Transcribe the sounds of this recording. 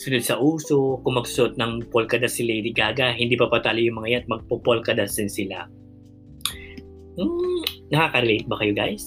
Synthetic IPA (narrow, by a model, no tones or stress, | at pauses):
sʊnod̪̚sɐʔuːsokʊmɐɡsʊ̥sʊʔot̪̚nɐŋpolkɐd̪ɐsɪlɛjd̪ɪɡaːɡɐɦɪnd̪iːpɐpɐt̪aːlɪjʊŋmɐŋajat̪̚mɐɡ̚popolkɐd̪ɐsd̪ɪnsɪla̰ | m̩nɐkaːkɐɾɛlejt̪̚bɐkɐjoɡajs